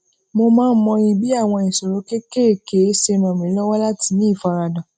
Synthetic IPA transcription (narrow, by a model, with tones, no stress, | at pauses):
mo˧mãː˦n̩˦mɔ̃˧ɾ̃ĩ˧bi˦a˦˨w̃ɔ̃˧i˨so˨ɾo˨˦ke˦ke˦e˨ke˨˦se˧mã˨mĩ˨˦lɔ˦wɔ˦la˦ti˧˦nĩ˦i˦˨fa˧ɾa˧dã˨